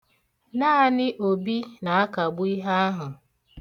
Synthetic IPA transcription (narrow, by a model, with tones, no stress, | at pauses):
na˦a˦˨nɪ˦ʔo˨bi˦na˨a˦ka˨ɡ͡bʊ˦i˦ɦa˦a˦ɦʊ˨